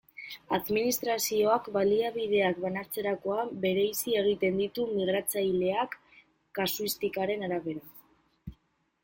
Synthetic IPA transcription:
aðminist̪ɾasio̞akbaliaβið̞e̞akbanaɾt͡se̞ɾako̞abe̞ɾe̞jsie̞ɣ̞it̪e̞nd̪it̪umiɣ̞ɾat͡sajle̞akː | asuist̪ikaɾe̞naɾaβe̞ɾa

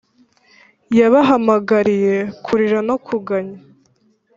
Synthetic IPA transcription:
jaβaɦamaɡaɾije̞kʰuɾiɾanokʰuɡaɲa

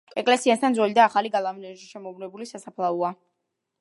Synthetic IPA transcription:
ɛkʼlɛsiast̪ʰanzwɛlid̪aːχaliɡalˠamnɛʃi̥ʃɛmɔblɛbulisasapʰlˠaua

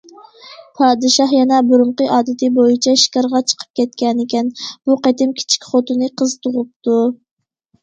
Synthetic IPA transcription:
pʰɑːd̪ɨʃɑhjɛnɛbuɾuɴqəʔɑːd̪ɨt̪ɪbojit͡ʃʰɛʃi̥kʲɑɾʁɑt͡ʃʰə̥qʰə̥p̚kʲʰɛt̪kʲɛnɪkʲɛnb̥uqɛt̪ɪmkʲʰi̥t͡ʃʰi̥kʲχot̪unɨqʰəzt̪ʰʊʁʊp̚t̪u

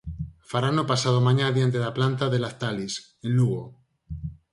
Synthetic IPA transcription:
faɾanopasaðomãɲaðjant̪̬eðaplant̪aðelaθt̪alis | enluɣo

